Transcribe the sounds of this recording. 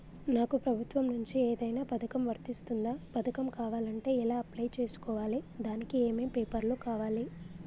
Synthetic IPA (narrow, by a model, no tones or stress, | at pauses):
naːkupɾɐbʱut̪ʋɐmnuɲt͡ʃieːd̪ɐjnaːpɐd̪ʰɐkɐmʋɐɾt̪ist̪und̪aːpɐd̪ɐkɐmkaːʋaːlɐɳʈe̞ːilaːɐplɐjt͡ʃe̞ːsu̥kɔːʋaːlid̪aːnikieːme̞ːmpeːpɐɾlukaːʋaːli